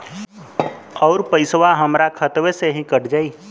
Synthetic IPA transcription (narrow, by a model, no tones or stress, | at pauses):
ɔːɾpəɪsʋaɦəmɾakʰət̪ʋeseɦĩkəɽd͡ʒaiː